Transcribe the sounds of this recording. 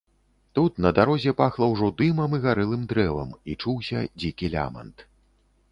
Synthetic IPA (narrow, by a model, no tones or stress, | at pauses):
t̪ut̪nɐd̪aɾɔzʲɛpaxlˠɐwʐɔd̪ɨmɐmiɣaɾɨlˠɨmd̪ɾɛvɐ̰mit͡ʂuwsʲɐ̰d͡zʲikʲilʲa̰mɐ̰nt̪